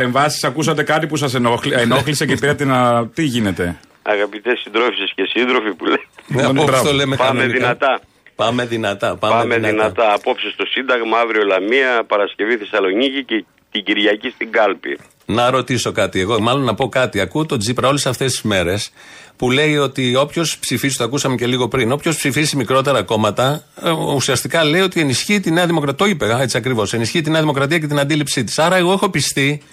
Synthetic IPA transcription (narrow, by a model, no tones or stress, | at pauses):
eɱvɐsi̥sɐkus̬ɐt̪e̞kɐt̪ipusɐs̬eeno̞xlisecepiɾɐt̪enɐt̪iʝine̞t̪e̞ | ɐ̰ɣɐpit̪esind̪ɾofsiscesind̪ɾo̞fipuleɐnosolemepammeðinɐt̪ɐ | pɐme̞ðinɐt̪ɐpɐɐemenðinɐt̪ɐːpo̞psist̪o̞sind̪ɐɣmɐɐvɾio̞lɐmiɐpɐɾɐsce̞viθesɐlo̞nicice | t̪iɟiɾʝɐcist̪iŋɡɐlpḭ | nɐɾo̞t̪iso̞kɐt̪ie̞ɣo̞mɐlo̞nːɐpo̞kɐt̪iɐkut̪o̞d͡zipɾɐo̞lesɐft̪est̪i̥zme̞ɾe̞spule̞io̞t̪io̞pço̞spsifizit̪oɐkusɐmece̞liɣo̞pɾino̞pço̞spsifisimikɾo̞t̪e̞ɾɐko̞mɐt̪ɐusiɐst̪ikɐle̞io̞t̪ie̞nisçiːt̪ine̞ɐðimo̞kɾɐt̪oçipeɣɐe̞t͡siɐkɾivo̞se̞nisçit̪ine̞ɐðimo̞kɾɐt̪iɐce̞t̪inɐnd̪ilipsit̪i̥sɐɾɐe̞ɣo̞e̞xo̞pist̪i